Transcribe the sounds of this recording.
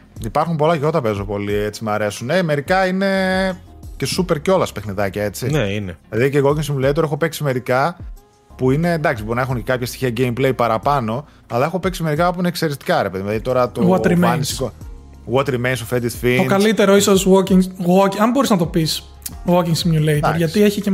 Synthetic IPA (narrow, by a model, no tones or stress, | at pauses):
ipɐɾxumpo̞lɐʝo̞t̪ɐpezo̞po̞lie̞t͡simɐɾe̞suneme̞ɾikɐine̞ | ce̞supe̞ɾceo̞lɐspe̞xniðɐcɐe̞t͡sineinelɐðiceɣo̞ciŋsimulet̪oɾe̞xo̞peksime̞ɾikɐ | puine̞nd̪ɐksiboɾinɐe̞xuncekɐpçɐst̪i̥çiɐɟeimple̞jpɐɾɐpɐno̞ | ɐlɐexo̞pe̞ksime̞ɾikɐpuinekseɾest̪i̥kɐɾe̞pe̞ðimðɐðit̪o̞ɾɐt̪oɣwɐt̪ɾimenso | ɣwɐt̪ɾimejnsofed̪it̪fitokɐlit̪e̞ɾoisozwociŋɣocɐmbo̞ɾiznɐt̪o̞pis | ɣociŋsimɲulejt̪oɾʝɐtt̪ieçice